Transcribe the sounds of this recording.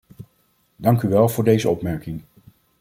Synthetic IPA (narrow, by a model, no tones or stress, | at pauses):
dɑŋkyʋɛlˠvʊːɹdejzəɔpmɛɹkɪŋ